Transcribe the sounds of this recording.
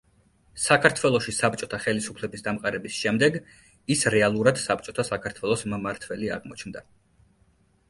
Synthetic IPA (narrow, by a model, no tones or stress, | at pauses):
sakʰaɾt̪ʰwɛlˠɔʃisap̚t͡ʃʼɔt̪ʰaχɛlisupʰlɛbisd̪amqʼaɾɛbisʃɛmd̪ɛɡ | isɾɛalˠuɾad̪̥sap̚t͡ʃʼɔt̪ʰasakʰaɾt̪ʰwɛlˠɔsmmaɾt̪ʰwɛlia̰ʁmɔt͡ʃʰnd̪a